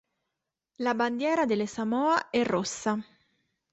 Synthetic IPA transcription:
laband̪jɛːɾad̪elesamɔːaɛrːosːa

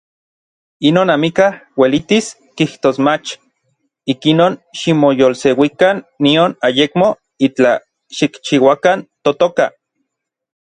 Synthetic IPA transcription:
inoːnamikahwelit̪is | kiht̪oːsmat͡ʃ | ikinoːnʃimojolsewikanːionajekmo | it͡ɬa | ʃikt͡ʃiwakant̪ot̪oka

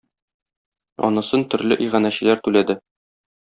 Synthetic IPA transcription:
ɒ̰nɤ̆sɤnt̪ɵ̆ɾlɘʔijʁænæɕɘ̆læɾt̪ʉlæd̪ɘ

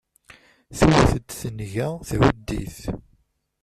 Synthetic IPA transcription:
θiwæθəd̪θənʝæθʕud̪ːḭθ

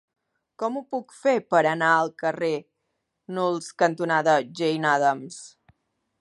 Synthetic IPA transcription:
kɔmupukfepəɾənaəlˠkəre | nulˠskənt̪unaðəʒejnaðəms

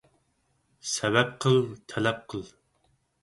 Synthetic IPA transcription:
sɛvɛp̚qʰəlˠt̪ʰɛlɛp̚qʰəlˠ

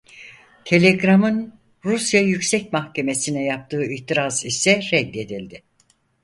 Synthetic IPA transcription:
t̪ʰe̞lʲeɡɾamɯn | ɾusjajycsɛcmaxcʰe̞me̞sinɛjap̚t̪ʰɯːiht̪iɾazisɛɾɛd̪ːe̞d̪ilʲd̪ɪ

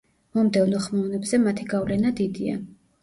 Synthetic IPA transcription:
mɔmd̪ɛvnɔχmɛnɛbzɛmat̪ʰiɡavlɛnad̪id̪ia̰

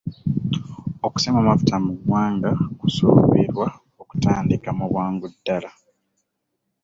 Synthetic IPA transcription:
o̞ku̥semamafu̥tamuɡwaːŋɡakusuβiɾwa | oku̥taːndikamuβwaːŋɡudːala

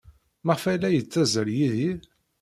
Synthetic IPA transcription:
məʁfælæjət͡sːæzəɾjiðið

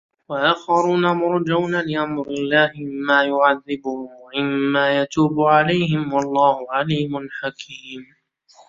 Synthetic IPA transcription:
waʔaːxɑɾuːnamʊɾˤd͡ʒawnalɪʔamɾɪlːaːhɪmːaːjʊʕaðːɪbʊhʊmɪmːaːjat̪uːbʊʕalajhɪmwɑlˤːɑːhʊʕaliːmʊnħakʰiːm

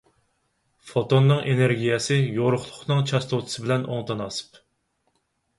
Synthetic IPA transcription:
fot̪onːɨŋʔeneɾɡʲijɛsɪjoɾʊχlˠʊχnɨŋt͡ʃʰɑst̪ʰot̪ʰɨ̥sɨbɪlɛno̰ŋt̪ʰɑnɑsɨ̥p

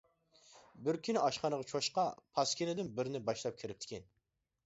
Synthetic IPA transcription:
bɪɾkʲʰinɪʔɑʃqɑnəʁɑt͡ʃʰoʃqɑpʰɑskʲʰinɪd̪ɪnbɪɾnɪbɑʃlˠɑp̚kʲʰiɾɪp̚t̪ʰɪ̥kʲʰɛn

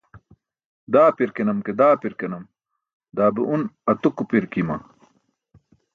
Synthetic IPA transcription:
d̪aːpiɾkenɐmked̪aːpiɾkenɐm | d̪aːbeʔunɐt̪ukupiɾkimɐ̰

